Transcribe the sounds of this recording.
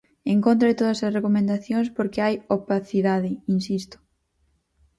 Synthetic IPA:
eŋkõnt̪ɾɐɪt̪oð̞ɐsɐsrekomẽnd̪aθjoŋspoɾkɪajopaθiðaðɪinsist̪ʊ̥

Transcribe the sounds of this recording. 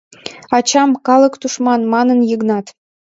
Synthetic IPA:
ɑt͡ɕɑmkɑlə̆kt̪uʃmɑnmɑnənjəɣnɑt̪

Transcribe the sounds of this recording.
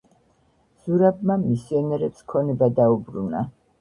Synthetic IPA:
z̥uɾabmamisiɔnɛɾɛt̪sʰkʰɔnɛbad̪aubɾuna̰

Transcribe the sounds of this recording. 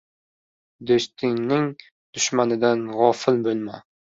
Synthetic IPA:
d̪ost̪ʰɪŋnɪŋ | d̪̥ʊʃmanɪd̪anʁɒfɪlbolˠma

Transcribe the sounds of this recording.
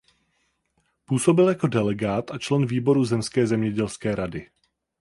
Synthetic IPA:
puːso̞bɪljako̞dɛlɛɡaːt̪ʔat͡ʃlɛnviːbo̞ɾuzɛmskɛːzɛmɲɛɟɛlskɛːɾadɪ

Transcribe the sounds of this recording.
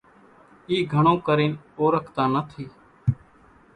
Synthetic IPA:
iːɡʱəɳ̃õːkəɾiːnoːɾəkʰt̪ãːnət̪ʰiː

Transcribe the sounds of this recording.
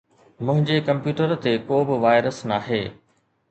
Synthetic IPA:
mʊ̃ɦɪ̃ɲd͡ʑekɐ̃mpjuːʈəɾt̪ekoːbɪʋaːɪɾəsnaːɦeː

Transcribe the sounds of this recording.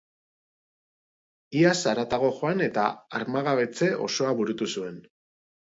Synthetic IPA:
iasaɾat̪aɣo̞ʝo̞ane̞t̪a̰aɾmaɣaβe̞t͡se̞ʔo̞̰so̞aβuɾut̪usue̞n

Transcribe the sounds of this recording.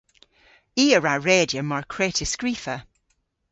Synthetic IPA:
iːəɹaɹeːdjəmaɹkʰɹeːtʰɪskɹifə

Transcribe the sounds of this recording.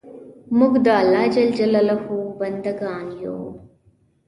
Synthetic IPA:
mʊɡd̪aːlaːd͡ʒɐld͡ʒɐlɐlɐhuːbɐnd̪əɡãːnjo̰ː

